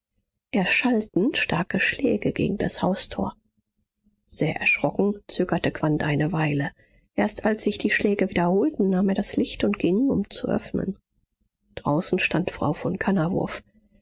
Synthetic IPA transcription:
ʔeːɐʃaltn̩ʃtaɐkəʃlɛːɡəɡḛːɡŋ̩da̰shaʊstʰo̰ːɐ | z̥eːɐʔɛ̰ɐʃʁ̥ɔkŋ̩t͡søːɡɐtəkv̥antʔaɪnəvaɪlə | ʔeːɐstʔalsz̥ɪçd̥iːʃlɛːɡəviːdɐhoːltn̩naːmeːɐɾaslɪçtʊntɡ̥ɪŋʊ̰mt͡suʔœ̰fnə̰n | d̥ʁa̰ʊsn̩ʃtantfʁ̥a̰ʊfɔnkʰanavʊ̰ɐf

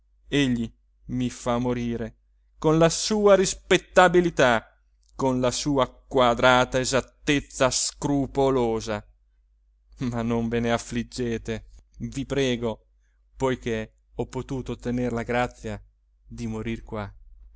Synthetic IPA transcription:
eʎːi | mifamːoɾiːɾe | konlasuːaɾispet̪ːabilit̪a | konlasuːakwad̪ɾaːt̪aezat̪ːet̪sːaskɾupoloːza | manːoɱveneafːlid͡ʒːeːt̪evipɾɛːɡo | pojk̟e | ɔpːot̪uːt̪ot̪eneɾlaɡɾat̪sːja | d̪imoɾirkwa

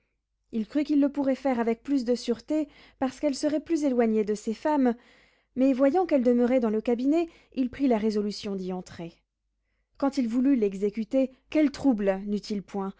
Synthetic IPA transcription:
ilkχykilːəpuʁɛfɛʁavɛk̚plys̬d̪əsyʁt̪e | paʁsə̥kɛlsəʁɛplyzelwaɲed̪əsefamː | ɛvwajɑ̃kɛld̪əmœʁɛd̪ɑ̃ləkabinɛ | ilpχilaʁezɔlysjɔ̃d̪iɑ̃t̪χe | kɑ̃t̪ilvulylɛɡzekʲyt̪e | kʲɛlt̪χublnyt̪ʰilpwɛ̃

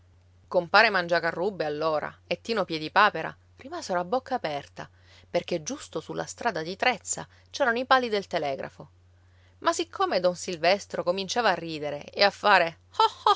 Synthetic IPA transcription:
kompaːɾemand͡ʒakarːubːealːoːɾa̰et̪ːiːnopjɛd̪ipaːpeɾa̰ | rimaːzeɾoabːokʰːaːpɛrt̪a | perked͡ʒːust̪osulːa̰st̪ɾaːd̪ad̪it̪ɾɛt̪sːa̰ | t͡ʃɛːɾanoipaːlːid̪elt̪elɛːɡɾʔa̰fo | masikʰːomed̪ɔnsilvɛst̪ɾokomint͡ʃaːvaːrːiːd̪eɾeeafːaːɾe | ɔ

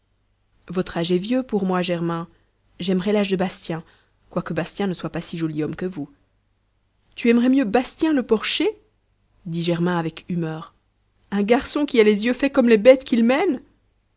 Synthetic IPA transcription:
vɔt̪χaʒɛvjøpuʁmwaʒɛʁmɛ̃ | ʒɛmʁɛlaʒd̪əbast̪jɛ̃ | kwakəbast̪jɛ̃nəswapasiʒɔliɔmkəvu | t̪yɛmʁɛmjøbast̪jɛ̃ləpɔʁʃe | d̪iʒɛʁmɛ̃avɛkymœːʁ | ɛ̃ɡaʁsɔ̃kʲialezjøfɛkɔmlebɛt̪kʲilmɛn

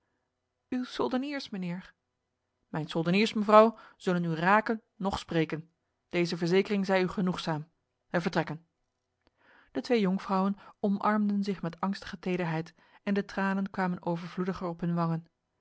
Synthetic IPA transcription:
ywsɵlˠdəniːɹsmənɪːɹ | mɛjnsɵlˠdəniːɹsməvrɑwz̥ɵlənyraːkənːɔχspreːjkən | d̥ejzəvəɹzejkərɪŋzɛjyχənuχsaːm | ɛvəɹtrɛkən | d̥ətʋejɔŋfrɑwənɔmʔɑɹmdənzɪχmɛtɑŋstə̥χətejdəɹɦɛjt | ɛndətraːnənkʋaːmənʔoːwvəɹvludəχəɹɔpɦɵnʋɑŋən

